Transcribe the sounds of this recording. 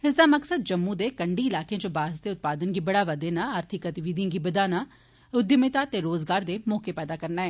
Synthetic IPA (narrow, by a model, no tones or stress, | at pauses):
ɪsd̪aːməksəd̪̚d͡ʒəmːũːd̪eːkəɳɖiːɪlaːkẽãːt͡ʃobaːzd̪eːʊt̪̚paːd̪ənɡiːbəɽaːʋəd̪eːnaːaːɾt̪ʰɪkət̪ɪʋid̪ĩãɡiːbəd̪aːnaː | ʊd̪jəmɪt̪aːt̪eːɾoːzɡaːɾd̪eːmɔːkeːpɛːd̪aːkəɾnaːɛː